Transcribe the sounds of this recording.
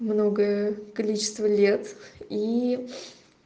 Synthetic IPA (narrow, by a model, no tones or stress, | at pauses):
mno̞ɡəəkɐlʲit͡ɕɪ̥st̪vəlʲet̪i